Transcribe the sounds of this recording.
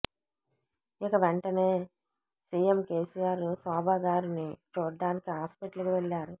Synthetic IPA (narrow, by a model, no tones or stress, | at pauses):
ikɐʋeɳʈɐne̞ː | siːjemke̞ːsijaːɾusɔːbʱaːɡaːɾinit͡ʃuːɾɖaːnikiɦaːspiʈlukiʋeɭːaːɾu